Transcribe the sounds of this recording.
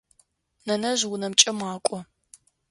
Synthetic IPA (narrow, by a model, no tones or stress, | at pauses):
nɐnɐʒwʊnɐmt͡ʃʼɐmaːkʷʼɔ